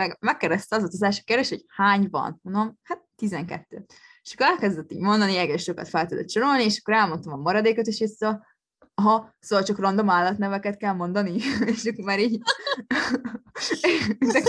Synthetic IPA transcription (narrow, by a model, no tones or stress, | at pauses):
mɛɡmɛkːɛɾd̪ɛst̪ɛɒzot̪ozaːʃkerd̪eːʃhochaːɲvɒ̰nmond̪omhat̪̚ːizɛŋkɛ̰t̪ːø̰ː | eʃɒ̥kːoɾɛlkɛzd̪ɛt̪ːḭːɟmo̞nd̪ɒniɛɡɛʃʃo̞kɒ̰t̪fɛlt̪ud̪ot̪̚t͡ʃonolnieːʃɒ̥kːoɾɛlmo̞nt̪omɒmɒɾɒd̪eːkot̪eʃos | ɦɒsoːvɒlt͡ʃɒkrɒnd̪o̞maːlːɒt̪nɛvɛkɛt̪kɛlmo̞nd̪ɒnieʃɒkːoɾmaːɾiːɟ | ɛzɛk